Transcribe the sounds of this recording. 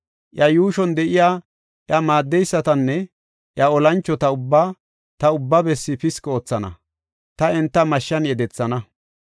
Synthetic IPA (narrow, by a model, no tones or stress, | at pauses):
ʔjɐjuːʃɔnd̪ɛʔɪjaː | ʔjɐmaːd̪ːɛjsːɐt̪ɐnːɛ | ʔjɐɔlɐnt͡ʃːɔt̪ɐʊbːaː | t̪ɐʊbːabɛsːɪpɪskot͡sːɐnɐ̰ | t̪ɐɛnt̪ːɐmɐʃːɐnjɛd̪ɛt͡sːɐnɐ